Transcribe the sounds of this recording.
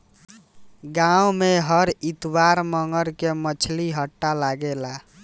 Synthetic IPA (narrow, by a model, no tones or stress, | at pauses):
ɡãumeɦəɾit̪waɾməŋɡəɾkemət͡ʃʰliɦəʈːalaɡela